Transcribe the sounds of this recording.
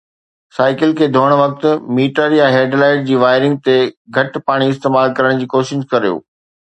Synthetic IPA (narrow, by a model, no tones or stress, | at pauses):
saːɪkɪlkʰeːd̪ʱoːɽ̃ʋɐk̚t̪ʊ̆miːʈəɾjãɦeːɖlaːɪʈ̚d͡ʑiːʋaːɪɾɪ̃ŋɡ̚t̪eɡʱɐʈpaːɽ̃iɪst̪eːmaːlkɐɾəɽ̃d͡ʑiːkoːʃɪʃkɐɾijo̰ː